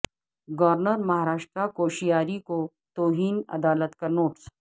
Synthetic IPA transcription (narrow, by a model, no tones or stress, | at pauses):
ɡɐʋɾnəɾmɐɦaɾaːʃʈ̪ɾakoːʃijaːɾiko | t̪oːɦiːnɐ̰d̪aːlət̪kɐnoːʈs